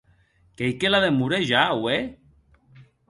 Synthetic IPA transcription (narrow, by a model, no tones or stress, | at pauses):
kejkelaðemuɾeʒawe